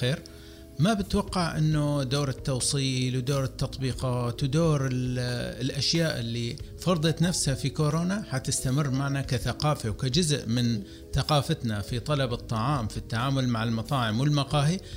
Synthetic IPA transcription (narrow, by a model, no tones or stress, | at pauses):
xeːɾ | mabɪt̪wɑqːɑʕʔɪ̰nːʊd̪oːɾɪt̪ːɑwsˤiːlwd̪oːɾɪt̪ːɑt̪ˤbiːqɑːt̪wd̪oːɾɪlʔaʃjaːʔɪ̰lːifɑɾˤd̪ˤɑt̪nafshafikoːɾoːnaħat̪ɪst̪amɪrːmaʕnakaθaqɑːfawkad͡ʒʊzʔmɪn | θaqɑːfat̪nafit̪ˤɑlɑbɨt̪ˤːɑʕɑːmfit̪ːaʕaːmʊlmaʕalmɑt̪ˤɑːʕɪmwɪlmɑqɑːhi